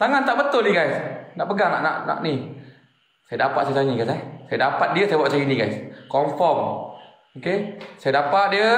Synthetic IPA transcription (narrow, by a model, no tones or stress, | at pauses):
t̪aŋant̪aʔbət̪ʊlniɡajsnaʔpəɡaŋa̰ʔna̰ʔna̰ʔni | sajədapat̪sajət̪aɲiɡajsasajədapat̪̚diəsajəbwaʔ̪sajəinĩɡajskɔmfɔm | okesajədapat̪̚diə